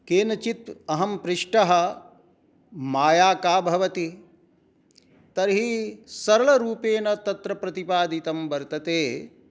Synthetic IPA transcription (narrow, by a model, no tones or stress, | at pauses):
keːnɐt͡ʃit̪ɐɦɐmpɾɪʂʈɐɦɐ̆ | maːjaːkaːbʱɐʋɐt̪i | t̪ɐɾɦisɐɾɐɭɐɾuːpeːnɐt̪ɐt̪ɾɐpɾɐt̪ipaːd̪it̪ɐmbɐɾt̪ɐt̪eː